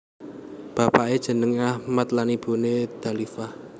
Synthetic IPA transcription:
b̥a̤paʔed̥ʒ̥ə̤nəŋahmat̪lanib̥o̤ned̪̥a̤lifah

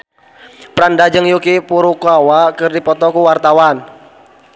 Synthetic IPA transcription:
pɾandad͡ʒɨŋjukipuɾukuawakɨrdipɔt̪ɔkuwart̪awan

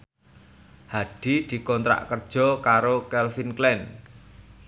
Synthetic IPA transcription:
haɖ̥i̤d̪̥i̤kɔnt̪ɾa̰ʔkərd̥ʒ̥ɔ̤kaɾokɛlfinklɛn

